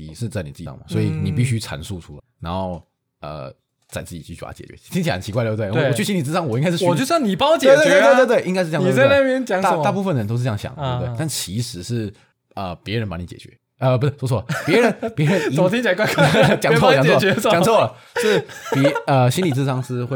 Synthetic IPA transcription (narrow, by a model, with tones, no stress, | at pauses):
ḭ˨˩ʂɻ̩˥˧t͡sa˥˩ɪni˨˩t͡sɹ̩̰˥˩˥ŋmɐ˩swɔ˧˥i˨˩ni˨˩pi˥˩ɕy˥ʈ͡ʂʰa̰˧˥nsu˥˩ʈ͡ʂʰu˥la̰˧˩ɪna̰˧˥nxo˥˩ʊ | ə̰˧˩ | t͡sa˥˩ɪt͡sɹ̩˥˩t͡ɕi˨˩y˥˩y˥˩pa̰˧˥t͡ɕjɛ̰˨˩t͡ɕɥɛ̰˧˦˥t̪ʰi˥ŋt͡ɕʰi˨˧˥ə˨˩t͡ɕʰi˧kwa˥ɪd̪w̪e˧˩˨t͡ɕʰy˥˩ɕi˥nli˨˩t͡sɹ̩˥ɑ˥ŋwɔ˨˩i˥ŋka˥ʂɻ̩˥ɔ˨t͡ɕo˥˧˥ŋni˨˩pɑ˥˦t͡ɕɛ˥e˥˧˩t̪w̪wt̪ɪʔi˥ŋa˥ʂɻ̩˥˧˥la˥mjɛ˥˦nt͡ɕjɑ˨˦ŋt̪a˥˧a˥˧˥pu˥˧fə˨nd̪ə˩ə˧˦t̪o˥ʊʂ̩˥˧˥jɕjɑ̰˨˩ŋd̪t̪e˥˩˧t̪a˥˩nt͡ɕʰi˧˥ʂɻ̩˧˥ʂɻ̩˥˩ | ə˧˩pjɛ˧˥ɻə˧˦npa˧˥ni˧˥t͡ɕɛ̰˨˩t͡ɕɥɛ̰˧˦ | ə˧pu˧˩˥swɔ˥t͡sʰɔ˥˧pjɛ˧˥ɻə˦npjɛ˧˦˥ɻə˧˦ni˥˨˩t̪ʰi˥ŋt͡ɕʰɛ˧˩kwa˥kʰt͡ɕjɑ˨ʈ͡ʂʰə˥˩˨ɑ˨ŋʰ˥˨˥ɛ˧˥˧t͡ɕɑ˨ŋt͡sʰɤ˥˩˨ | ʂɻ̩˥˩pə˧ɕi˥nli˨˩t͡sɹ̩˥˧ʂɑ˥ŋʂɹ̩˥xwe˩